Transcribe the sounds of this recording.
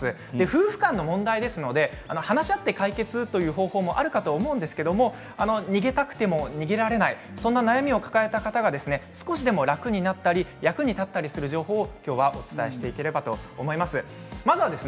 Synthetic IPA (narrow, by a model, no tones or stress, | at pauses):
ɨ | d̪e̞ɸɯ̟ːɸɯ̟̥kãnːo̞mõ̞nd̪aid̪e̞sɨno̞d̪e̞ | ano̞hanaɕiat̪ːe̞kaike̞t͡sɨt̪o̞jɯ̟ːɦo̞ːho̞ːmo̞ʔa̰ɾɯ̟kat̪o̞ːmo̞ɯ̟̃nd̪e̞sɨ̥ke̞d̪o̞mo̞ | ano̞ɲ̟iɡe̞t̪akɯ̟̥t̪e̞mo̞ɲ̟iɡʲeɾaɾe̞nai | sõ̞nːanajamʲio̞kḁkae̞t̪akat̪aɡad̪e̞sɨne̞sɨ̥ko̞ɕid̪e̞mo̞ɾakɯ̟ɲ̟inat̪ːaɾʲijakɯ̟ɲ̟it̪at̪ːaɾʲisɨɾɯ̟ʑo̞ːɦo̞ːkʲo̞ːβaʔo̞t͡sɨ̥t̪ae̞ɕi̥t̪e̞ike̞ɾe̞bat̪o̞ːmo̞imasɨ | mazɨβad̪e̞sɨ